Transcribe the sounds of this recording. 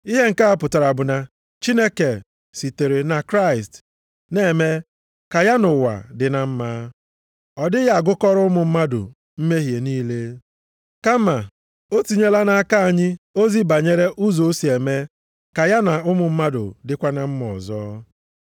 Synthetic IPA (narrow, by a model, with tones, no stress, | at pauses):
i˦ɦe˦ŋ̩˨ka˦a˦pʊ˨ta˨ɾa˨bʊ˨na˨ | t͡ʃi˦ne˦ke˨ | si˨te˨ɾe˨na˨kɾa˦ɪ˨st | ne˦˨me˦ | ka˨ja˦nʊ˨wa̰˨dɪ˨na˨m̩˦ma˦ | ɔ˨dɪ˦ja˦a˨ɡʊ˦kɔ˦ɾʊ˦mʊ˨m̩˦ma˦dʊ̰˨ | m̩˦me˦ɦje˨niː˦le˦ | ka˦ma˨ | o˦tu˨ɲe˦la˦na˦a˦ka˦a˨ɲɪ˦o˦zi˦ba˨ɲe˦ɾe˦ʔu˦zo˨˦si˨e˨me˦ | ka˨ja˦na˨ʊ˦mʊ˨m̩˦ma˦dʊ̰˨dɪ˦kʷa˦na˦m̩˦mɔ̰˨zɔ̰ː˦